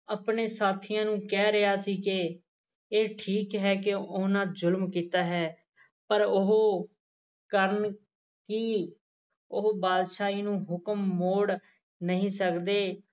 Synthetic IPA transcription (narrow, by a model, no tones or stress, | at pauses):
əpɳeːsaːt̪ʰiːãːnũːkɛːɾeɦaːsiːke | eːʈʰiːkɦɛːkɪoːnãːzʊlmkiːt̪aːɦɛː | pəɾʊɦo | kəɾən | kiː | ʊɦbaːd̪ʃaːiːnũːɦʊkəmːoːɽ | nəɦĩːsəkd̪eː